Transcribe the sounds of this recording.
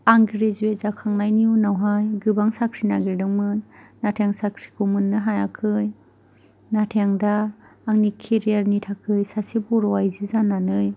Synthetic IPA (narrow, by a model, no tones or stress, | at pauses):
aŋɡiɾezuezakʰaŋnajniunawɦajɡɯbaŋsakʰɾinaɡeɾdɯŋmɯnː | atʰejaŋsakʰɾi̥kʰomunːɯɦajakʰɯj | natʰejaŋdaːŋnikʰeɾijaɾnitʰakʰɯjsasebɔɾɔwajzizanːanɯj